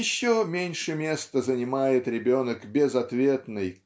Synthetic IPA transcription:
ɪɕːomʲenʲʂɨmʲe̞st̪əzənʲɪmajɪt̪ɾʲɪbʲo̞nəkbʲɪzɐt̪vʲe̞t̪nɨj

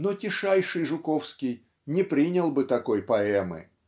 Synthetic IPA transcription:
notʲɪʂajʂɨjʐʊkofskʲɪj | nʲɪpɾʲinʲəlˠbɨt̪ɐko̞jpɐɛmɨ̰

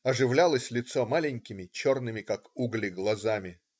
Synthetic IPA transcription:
ɐʐɨvlʲalˠəsʲlʲɪt̪somalʲɪnʲkʲɪmʲɪt͡ɕo̞rnɨmʲɪkakuɡlʲɪɡlˠɐzamʲɪ

